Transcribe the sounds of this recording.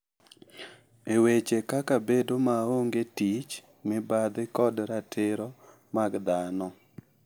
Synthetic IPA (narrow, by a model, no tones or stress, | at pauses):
ewet͡ʃekakabedomaoŋɡetit͡ʃ | mɪbad̪ɪkɔdɾatʰɪɾɔ | maɡd̪anɔ